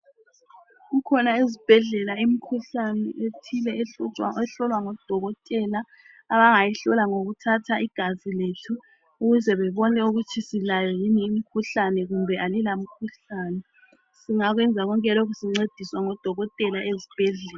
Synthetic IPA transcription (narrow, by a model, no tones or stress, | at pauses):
ɣukʰɔnaezib̥ʱɛɮɛlaim̩kʰuɬanɛetʰilɛeɛɬɔlwaŋɔd̥ʱɔɣɔtʼɛlaː | βaŋajiɬɔlaŋoɣutʰatʰaʔiɡ̥ʱaziletʰuː | ɣuzɛβɛβɔnɛuɣut͡ʃʼʰisilajɔjiniːm̩kʰuɬanɛɣumbʱɛʔalilam̩kʰuɬaːnɛ | siŋaɣwɛnd͡zʱaɣɔŋkʼɛlɔɣusiŋ͡ǀed̥ʱiswaŋɔd̥ʱɔɣɔtʼɛlaʔezib̥ʱɛɮɛːla